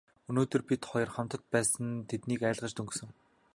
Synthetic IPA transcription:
ɵnoːt̪ɵ̆rpit̪χɔjɞ̆rχam̥t̪ə̆t̪̚pæːsə̆nt̪ʰet̪niːkæ̆ːɮʁə̆t͡ɕt̪ɵŋɡsɵ̆ŋ

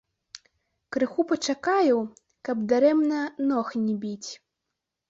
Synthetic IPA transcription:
kɾɨxupɐt͡ʂakajuw | kɐbd̪aɾɛmnɐnɔxnʲibʲit͡sʲ

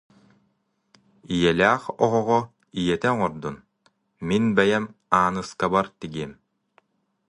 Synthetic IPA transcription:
ijɛlʲæːχɔʁɔʁɔ | ijɛt̪ɛŋɔɾd̪un | minbɛjɛmaːnɯskabaɾt̪iɡiɛm

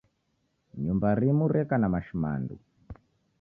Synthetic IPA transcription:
ɲumbaɾimuɾɛkanamaʃima̰ndṵ

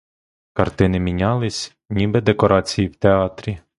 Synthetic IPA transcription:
kɐrt̪ɪnɪmʲinʲɑlˠɪsʲ | nʲibɛd̪ekɔɾʔɑt͡sʲijiwt̪eɑt̪ɾʲi

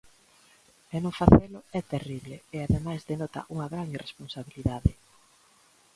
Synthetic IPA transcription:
ɛnõŋfaθelʊɛt̪eriβleeaðemajzðenɔt̪ɐ̰ʔuŋɐɣɾaŋiresponsaβiliðaðɪ

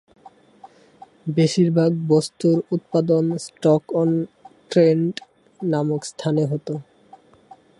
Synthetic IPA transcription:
beʃiɾbʱaɡbost̪uɾut̪̚pad̪onsʈɔkɔnʈɾeɳɖ | namokst̪ʰaneɦɔt̪o

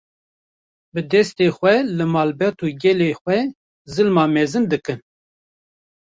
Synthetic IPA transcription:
bɨd̪ɛst̪eːxʷɛlɨmɑːlbɛt̪uːɡɛleːxʷwɛ | zɨlmɑːmɛzɨnd̪ɨkɨn

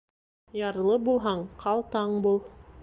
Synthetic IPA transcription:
jɑɾlˠɤbulˠɦɑɴqʰɑlˠt̪ɑɴbulˠ

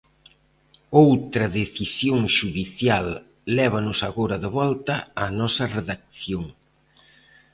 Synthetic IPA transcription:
owt̪ɾɐðeθisjoŋʃuðiθjalː | ɛβ̞ɐnʊsaɣoɾɐðɪβɔlt̪ɐːnɔsɐreðak̚θjoŋ

